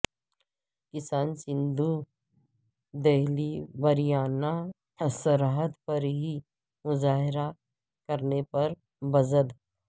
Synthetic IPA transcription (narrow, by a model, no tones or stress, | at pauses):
kɪsaːnsɪ̃nd̪ʱu | d̪eɦlibɐɾijaːna | t̪ʰɐsəɾaɦət̪pɐɾɦi | mʊzaːɦɪɾa | kɐɾnepɐɾ | bɐzəd̪